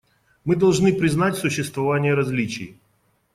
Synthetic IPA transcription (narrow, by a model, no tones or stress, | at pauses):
mɨd̪ɐlˠʐnɨpɾʲɪznatʲsʊɕːɪst̪vɐvanʲɪjəɾɐzʲlʲit͡ɕɪ̰j